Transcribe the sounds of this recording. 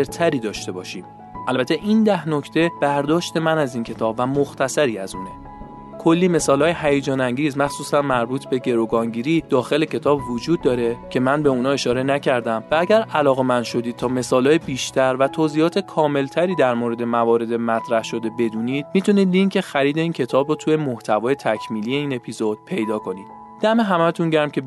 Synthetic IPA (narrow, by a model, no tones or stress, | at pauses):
eɾt̪ʰæɾiːd̪ɒːʃt̪e̞bɒːʃiːm | ʔælbæt̪ʰe̞ʔind̪æhno̞cʰt̪ʰe̞b̥æɾd̪ɒːʃt̪e̞mænæziːncʰet̪ʰɒːbvæmoxt̪ʰæsæɾiːæzuːne̞ | kʰo̞lːiːme̞sɒːlɒːjeɦæjed͡ʒɒːnæŋɟiːzmæxsuːsænmæɾbuːt̪ʰbe̞ɟe̞ɾoɡɒːŋɟiːɾiːd̪̥ɒːxe̞le̞cʰe̞t̪ʰɒːbvod͡ʒuːd̪̚ːɒːɾe̞cʰe̞mænbe̞unɒːe̞ʃɒːɾe̞næcʰæɾd̪æmvææɟæɾælɒːɣe̞mænd̪̥ʃo̞d̪iːd̪̚t̪ʰɒːme̞sɒːlɒːjebiːʃt̪ʰæɾvæt̪ʰoːziːjɒːt̪ʰe̞kʰɒːme̞lt̪ʰæɾiːd̪æɾmoɾe̞d̪e̞mævɒːɾe̞d̪emæt̪ʰɾæhʃo̞d̪e̞be̞d̪uːniːd̪̚miːt̪ʰuniːd̪̚lincʰe̞xæɾiːd̪e̞iːncʰe̞t̪ʰɒːbɾot̪ʰuːjemoht̪ʰævɒːjet̪ʰæcʰmiːlije̞iːne̞pʰizo̞d̪̥̚pʰe̞jd̪ɒːkʰo̞niːd̪ | d̪æme̞ɦæmæt̪ʰunɟæɾmcʰʲe̞